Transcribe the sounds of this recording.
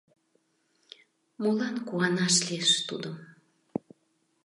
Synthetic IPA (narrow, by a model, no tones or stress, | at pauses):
molɑnkuɑnɑʃlieʃt̪ṵd̪o